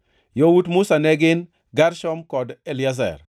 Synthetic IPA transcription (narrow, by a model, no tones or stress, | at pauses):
jowutmʊsanɛɡɪn | ɡaɾʃɔmkɔdɛlɪazɛ̰r